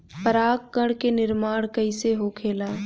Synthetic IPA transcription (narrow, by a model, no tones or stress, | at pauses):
pəɾaːkːəɽkenɪɾmaːɽkəɪseɦokʰeːlaː